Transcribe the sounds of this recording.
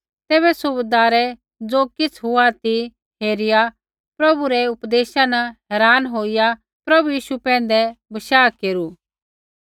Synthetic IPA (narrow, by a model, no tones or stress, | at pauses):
t̪eːβɛsʊbed̪aːɾɛ | d͡zoːkɪt͡sʰɦʊat̪i | ɦeːɾɪja | pɾɐbuɾɛʊpd̪eːʃanɐɦɛːɾaːnɦoːɪja | pɾɐbujiːʃupɛ̃ːn̆d̪ɛbɐʃaːkeːɾuː